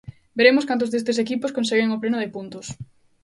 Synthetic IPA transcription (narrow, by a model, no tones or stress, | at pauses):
beɾemʊskant̪̬ʊzðest̪ɪsekipʊskõnseɣeŋoplenʊðɪpunt̪ʊs